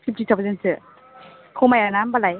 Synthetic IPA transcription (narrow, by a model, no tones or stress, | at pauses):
sʰip̚titʰapzensɯ | kʰomajanambalaj